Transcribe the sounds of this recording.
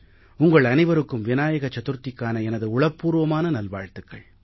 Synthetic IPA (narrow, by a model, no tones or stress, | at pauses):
ʊŋɡɐɭɐnɐɪʋɐɾɯkːɯmʋɪnaːjɐɣɐt͡ʃːɐt̪ɯɾt̪ːɪkːaːnɐɛnɐðɯʊɭɐpːuːɾɯʋɐmaːnɐnɐlʋa̰ːɻt̪ɯkːɐ̰ɭ